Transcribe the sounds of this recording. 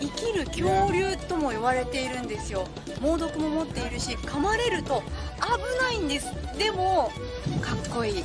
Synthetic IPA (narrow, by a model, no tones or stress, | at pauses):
ikʲiɾɯ̟kʲo̞ːɾʲɨːt̪o̞mo̞iβaɾe̞t̪e̞iɾɯ̟̃nd̪e̞sɨjo̞ | mo̞ːd̪o̞kɯ̟mo̞mo̞t̪ːe̞iɾɯ̟ɕikamaɾe̞ɾɯ̟t̪o̞abɯ̟naĩnd̪e̞sɨ̥d̪e̞mo̞ | kakːo̞iː